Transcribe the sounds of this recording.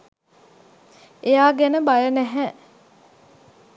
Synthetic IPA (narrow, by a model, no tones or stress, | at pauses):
ejaːɡænəbajənæɦɛ